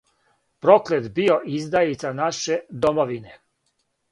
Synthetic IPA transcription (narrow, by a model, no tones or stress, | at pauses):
pɾo̞klet̪bio̞ʔizd̪ait̪sanaʃed̪omoʋine